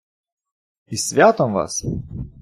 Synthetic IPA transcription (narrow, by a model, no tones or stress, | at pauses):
isʲʋʲæːt̪oːmʋɑ̰s